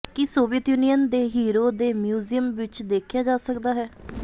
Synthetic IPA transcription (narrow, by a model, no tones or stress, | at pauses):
kɪsoːʋiət̪juːnijənd̪eːɦiːɾoːd̪eːmjuːzijəmʋɪt͡ʃd̪eːkʰjaːd͡ʒaːsəkd̪aːɦɛː